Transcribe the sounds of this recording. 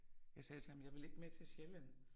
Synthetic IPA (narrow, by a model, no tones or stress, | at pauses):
jɑ̈ɪsɛːt͡sʰe̝hæm̩jɑ̈ɪʋe̝le̝ɡ̥met͡sʰe̝lsɕjelən